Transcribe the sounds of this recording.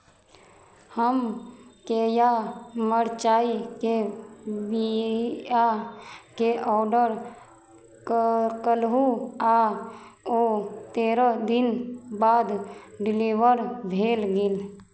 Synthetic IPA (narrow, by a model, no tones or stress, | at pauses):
həmkejaməɾt͡ʃaːike | bi | akeʔɔːɖəɾ | kəlɦua | oːt̪eːɾəd̪ɪnbaːd̪ɖɪliʋəɾbʱeːlɡɪl